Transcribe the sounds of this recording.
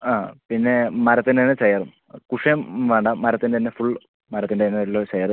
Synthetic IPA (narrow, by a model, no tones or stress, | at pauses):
aːpinːe̞mɐɾɐt̪ːineɐnːet͡ɕɐjɐrɨm | kuʂemʋeːɳɖɐmɐɾɐt̪ːindet̪inːefuɭ | mɐɾɐt̪ːindeɐnːelːot͡ɕɐjɐrɨm